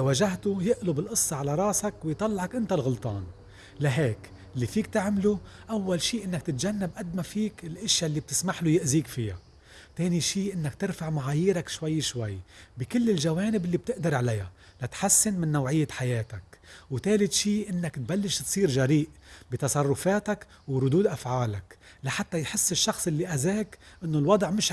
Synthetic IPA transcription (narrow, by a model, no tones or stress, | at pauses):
awaʒaɦt̪ʊjɪʔlʊbɪlʔɨsˤːɑʕalaɾˤɑːsakwɪjt̪ˤɑlːʕɑkʔɪnt̪alɣʊlt̪ˤɑːn | laɦeːk | ʔɪlːifiːkt̪ɪʕmluʔawːalʃiːʔɪnːakt̪ɪt̪ʒanːabʔad̪mafiːkɪlʔɪʃjalːib̚t̪ɪ̥smaħlʊjɪʔziːkfɪja̰ | t̪eːniʃiːʔɪnːakt̪ɪɾfaʕmaʕaːjiːɾakʃwajːʃwajːbɪkɪlːɪlʒaweːnɪbɪlːib̚t̪ɪʔd̪ɪɾˤʕalaja̰ | lat̪ħasːɪnmɪnːawʕɪjːaħajeːt̪akwt̪eːlɪt̪ʃiːʔɪnːakt̪̚balːɪʃt̪sˤiːɾʒaɾiːʔbit̪ɑsˤɑrˤːʊfaːt̪ak | wɾˤʊd̪uːd̪ʔafʕaːlak | laħat̪ːajħɪsːɪʃːɑxsˤʔɪlːiʔazeːkʔɪnːolwɑd̪ˤʕmɪʃ